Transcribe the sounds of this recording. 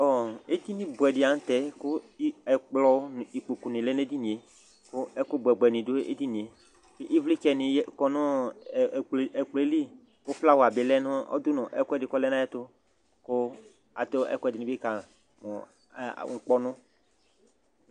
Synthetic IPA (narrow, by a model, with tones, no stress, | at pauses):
ɔ˨e˦t̪i˦nɪ̃˦bʊ˨ɛ˨dɪ˨a˨n˦tɛ˦kʊ˦ɛ˨k͡plɔ˦n˨i˨k͡po˨ku˨nɪ̃˨lɛ˦n˦e˦di˦nĩ˨e˨ | kʊ˦ɛ˦kʊ˦bɛ˨ɡ͡bɛ˨nɪ̃˨do˦ḛ˦di˦nĩ˨e˨˦ | ʔi˦vli˦t͡ʃɛ˨nɪ̃˨jɛ˦kɔ˦nʊ̃˦˨ | ɛ˨k͡ple˦li˦ | kʊ˦fla˦wa˨bɪ˨˦lɛ˦nʊ̃˦ɔ̰˦dʊ˦nɔ̃˨ʔɛ̰˦kɛ˦dɪ˨kɔ˦lɛ˦nã˦jɛ˦tʊ˦ | kʊ˦ | a̰˨t̪o˦ɛ̰˦kʊ˦ɛ˦˨dɪ˨nɪ̃˨˦ɪ˦ka˨ | mɔ̰̃˨ | ŋ̩˨k͡pɔ˦nʊ̃˦